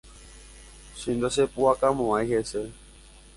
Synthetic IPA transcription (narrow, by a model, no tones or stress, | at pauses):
ʃĩnd̪asepuakamõajhese